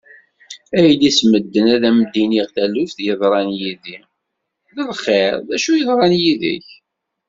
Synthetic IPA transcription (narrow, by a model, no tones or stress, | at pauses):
æjəlːisməd̪ːənæðæmd̪iniʁθælʊfθjəðˤɾˤɑnjiði | ðəlχeɾˤðæʃujəðˤɾˤɑnjiðə̰ç